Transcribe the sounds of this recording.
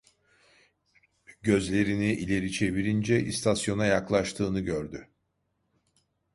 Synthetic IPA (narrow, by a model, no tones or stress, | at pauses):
ɟø̞zlʲe̞ɾiniʔilʲe̞ɾit͡ʃʰe̞βiɾind͡ʒɛʔist̪ʰasjo̞najaklˠaʃt̪ʰɯːnɯɟøɾd̪y